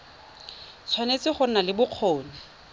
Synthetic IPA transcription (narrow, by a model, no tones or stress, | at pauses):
t͡sʰwanet͡sɪχʊn̩nalɪbʊq͡χʰoːni